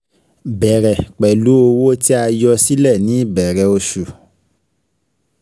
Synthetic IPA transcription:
bɛ˨ɾɛ˨k͡pɛ˨lu˨˦o˧wo˦ti˦a˧jɔ˧si˦lɛ˦˨nĩ˨˦i˦˨bɛ˨ɾɛ˧˨o˧ʃu˨

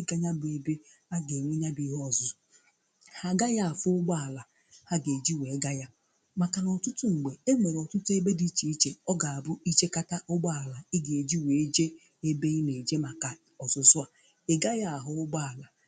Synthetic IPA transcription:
ɪ˦ɡa˦ɲa˦bʊ˨e˨be˦ | a˦ɡe˨ŋʷi˦ɲa˦bi˦ɦɔ˦˨zʊ˨ | ha˨ɡa˦ja˦a˨fʊ˦ʊ˦ɡ͡ba˦a˨la˨ | ha˦ɡe˨d͡ʒi˦we˨˦ɡa˦ja˦ | ma˨ka˨nɔ˨tʊ˦tʊ˦ŋ͡m̩˨ɡ͡be˨e˦ŋʷe˨ɾɔ˨tʊ˦tʊ˦e˦be˦di˦t͡ʃi˨i˦t͡ʃe˨ɔ˦ɡa˨a˨bʊ˦i˦t͡ʃe˦ka˦ta˦ʔʊ˦ɡ͡ba˦a˨la˨ɪ˦ɡe˨e˨d͡ʒi˦we˨e˦d͡ʒe˦ | e˦be˦i˦ne˨d͡ʒe˦ma˨ka˨ | ɔ˨zʊ˨sʊ˦a˨ | e˦ɡa˦ja˦a˨ɦʊ˨˦ʊ˦ɡ͡ba˦˨la˨

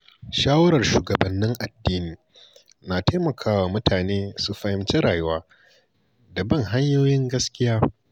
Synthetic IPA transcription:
ʃaː˦wɐ˦ɾɐ˨rʃuː˨ɡɐ˨bɐ˨nːɪ˦ŋʔa˨dːiː˦niː˨ | naː˨ta˦mɐ˨kʰaː˦waː˨mʊ˦tʰaː˨neː˦su˨ɸɐ˨hɪ˦mt͡ʃe˦ɾaː˨jʊ˦waː˦ | dɐ˨bɐ˦˨ŋɦa˦ɲjoː˦jɪ˦ŋɡɐ˦skʲɪ˦jaː˦

